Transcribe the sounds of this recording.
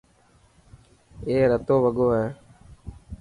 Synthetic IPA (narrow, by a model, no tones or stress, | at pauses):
eːɾət̪oːʋəɡoːɦɛː